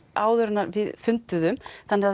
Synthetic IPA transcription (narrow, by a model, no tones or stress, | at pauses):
aːwðʏɾʏnaɾvɪðfʏnt̪ʏðʏmθanːɪa